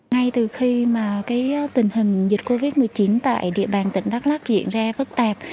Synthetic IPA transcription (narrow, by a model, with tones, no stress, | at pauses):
ŋa˧jt̪ɨ˨˩xi˧maː˨˩kaː˨˦jt̪ï˨˩ŋ̟ɦï˨˩ŋ̟zi˨˩t̚ko˧vi˦˥t̚mɨ˨˩əjt͡ɕi˨˦nt̪a̰ː˧˨jɗḭ˧˨əɓaː˨˩nt̪ï˧˩ŋ̟ɗa˦˥k̚la˦˥zḭ˧˨ənzaː˧fɨ˦˥k̚t̪aː˨˩p̚